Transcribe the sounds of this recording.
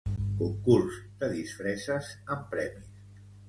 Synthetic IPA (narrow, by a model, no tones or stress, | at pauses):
kuŋkuɾsd̪əðisfɾɛsəsəmpɾɛmis